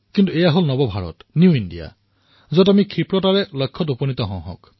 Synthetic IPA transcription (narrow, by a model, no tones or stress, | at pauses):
kintuɛjaɦolnɔbɔbʱaɹɔ̰tnjuindija̰ | zɔtamikʰipɹɔtaɹɛlɔjkʰːɔtopɔnit̪ɔɦɔ̃ɦɔ̰̃k